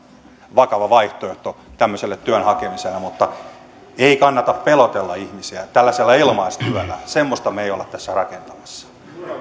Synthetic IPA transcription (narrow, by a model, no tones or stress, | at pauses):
ʋɑkɑʋɑʋɑiht̪oeht̪ot̪æmːøselːet̪yønhɑkemiselæmut̪ːɑ | eikɑnːɑt̪ɑppelot̪elːɑihmisiæt̪ælːæselːæilmɑist̪yælːˑæsemːost̪ɑmeiolːɑt̪t̪æsːærɑkent̪ɑmɑsːɑ̥